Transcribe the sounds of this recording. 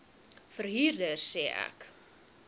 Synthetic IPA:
fərɦiːrdərsɛːʔæ̰k

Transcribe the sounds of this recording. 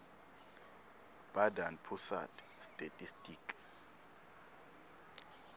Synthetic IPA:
b̥adanpʰusa̰tʰʼstʼetʼistʼiːkʼ

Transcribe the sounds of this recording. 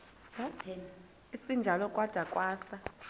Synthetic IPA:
isind͡ʒʱalɔkʼwad̥ʱakʼwaːsa

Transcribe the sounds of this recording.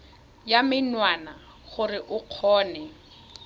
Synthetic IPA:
jamɪnwana | χʊrɪʔʊq͡χʰɔːnɛ

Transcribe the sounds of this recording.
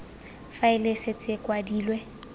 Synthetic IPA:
faɪlɪsɪt͡sʼɪkʼwadiːlwɛ

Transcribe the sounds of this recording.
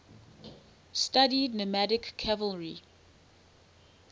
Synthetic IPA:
stadidnəmædɪkːʰævəlˠɹi

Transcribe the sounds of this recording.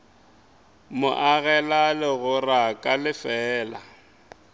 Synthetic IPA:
mʊʔaɣɛlalɪɣʊrakʼalɪfɛːla̰

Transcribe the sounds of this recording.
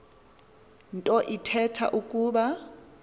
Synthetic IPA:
ntʼɔʔitʰɛtʰa̰ʔukʼuːɓa

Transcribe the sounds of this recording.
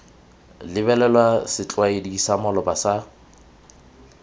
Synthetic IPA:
lɪbɛlɛlwasɪt͡ɬʼwaediisamɔlɔbasa

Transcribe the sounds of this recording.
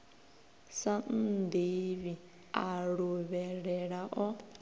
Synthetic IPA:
san̩d̪iβi | aɺuβɛɺɛɺaʔɔ

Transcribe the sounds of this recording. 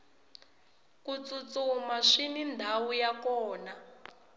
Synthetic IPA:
kut͡sut͡sumaʂinindʱawujakɔːna

